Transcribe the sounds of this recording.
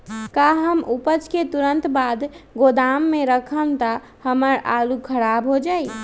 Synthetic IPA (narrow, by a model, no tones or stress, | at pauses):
kaɦəmupət͡ʃket̪uɾənt̪bad̪ɡod̪amːẽɾəkʰənt̪ə | həməɾa̰lukʰəɾabɦod͡ʒaːi